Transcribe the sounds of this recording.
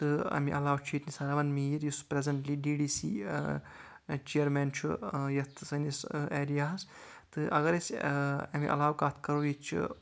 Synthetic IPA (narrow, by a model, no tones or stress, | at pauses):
t̪ɨɐ̰mḭʔɐlaːwt͡ʃʰuit̪nisɐɾɐʋɐnmiɾjuspɾezɐɳʈliːɖiːɖiːsḭː | t͡ʃijɐɾmeːnt͡ʃʰṵjɐt̪ʰsɐniseːɾijaːɐs | t̪ɨʔɐ̰ɡɐɾesɐmḭʔɐ̰laːwkat̪ʰkɐɾojit͡ʃʰḭ